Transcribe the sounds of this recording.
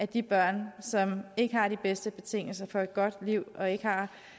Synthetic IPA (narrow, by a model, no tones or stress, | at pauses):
ʔæd̥ib̥ɶɐ̰nsɒ̽me̝ɡ̥əhɑ̈ɾ̥ib̥esd̥əb̥e̝t͡sʰe̝ŋ̰l̩sɐfɒ̽e̝d̥̚ɡ̥ɒ̽d̥liʊ̰ɒ̽e̝ɡ̥əhɑ̈